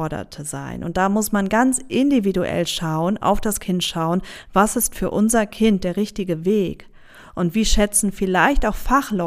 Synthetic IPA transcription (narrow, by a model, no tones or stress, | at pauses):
ɐɾɐ̰tʰəza̰ɪnʔʊ̰nt̚d̥aːmʊsmanɡant͡sʔɪndividuʔɛ̰lʃaʊənʔa̰ʊfd̥askʰɪntʃaʊənvasɪstfyːɐʔʊnzɐkʰɪnt̚d̥eːɐʁɪçtɪɡəveːk | ʔʊntv̥iːʃɛt͡sn̩fɪlaɪçtaʊxfaχlɔ